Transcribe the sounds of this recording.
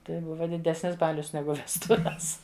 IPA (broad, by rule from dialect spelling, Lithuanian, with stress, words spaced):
ˈtɐɪ ˈbʊʋɐ dʲɪˈdʲæːsʲnʲɪs ˈbɑːlʲʊs ˈnʲæːɡʊ ʋʲɛsˈtʊʋʲɛs